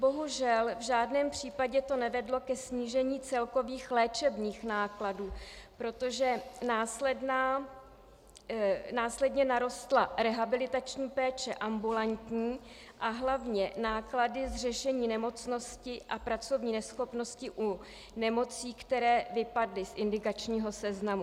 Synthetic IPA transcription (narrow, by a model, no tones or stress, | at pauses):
bo̞ɦuʒɛlvʒaːdnɛːmpr̝̥iːpaɟɛt̪o̞nɛvɛdlo̞kɛsɲiːʒɛɲiːt͡sɛlko̞viːxlɛːt͡ʃɛbniːxnaːkladuːpɾo̞t̪o̞ʒɛnaːslɛdnaː | naːslɛdɲɛnaɾo̞st̪laɾɛɦabɪlɪt̪at͡ʃɲiːpɛːt͡ʃɛʔambulant̪ɲiː | ʔaɦlavɲɛnaːkladɪzrɛʃɛɲiːnɛmo̞t͡sno̞scɪʔapɾat͡so̞vɲiːnɛsxo̞pno̞scɪʔu | nɛmo̞t͡siːkt̪ɛɾɛːvɪpadlɪsʔɪndɪkat͡ʃɲiːɦo̞sɛznamu